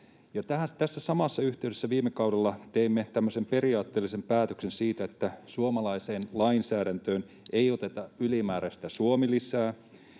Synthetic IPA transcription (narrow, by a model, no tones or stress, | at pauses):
jɑt̪æhæt̪æsːæsɑmɑsːɑyht̪e̞ydesːæʋiːmːekɑudelːɑt̪eimːet̪æmːøsempe̞riɑːt̪ːeːlːisempæːt̪øksensiːt̪æet̪ːæsuomɑlɑiseːnlɑinsæːdænt̪øːn | ejot̪e̞t̪ɑylimæːɾæsi̥t̪æsuomilisæː